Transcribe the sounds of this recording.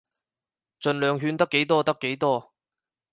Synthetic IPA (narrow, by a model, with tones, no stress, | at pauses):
t͡ʃɵ˨nlœː˨˧ŋɦyː˧nt̪ɐ˥kːe˨˥jt̪ɔː˥t̪ɐ˥kːe˨˥jt̪ɔː˥